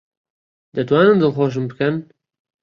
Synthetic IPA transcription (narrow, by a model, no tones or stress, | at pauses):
d̪ɐt̪waːnɨnd̪ɨlˠxoːʃ̬ɨmbɨkɐn